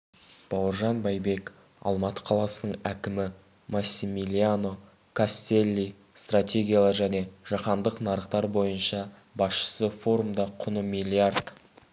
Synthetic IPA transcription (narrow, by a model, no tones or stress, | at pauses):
b̥ɑwəɾʒɑnbɑjbe̞k | ɑ̰lˠmɑt̪ə̥qʰɑlˠɑsənəɴækʲɪmɪ | masʲːimilʲiano̞ | kʰast̪e̞lʲːi | st̪rat̪ʲe̞ɡʲijalˠəʒæne̞ʒ̥ɑqɑnd̪əqnɑɾəqt̪ɑɾbo̞jənʃɑ | bɑsʃə̥səfo̞ɾumd̪ɑqʰʊnəmilʲiart̪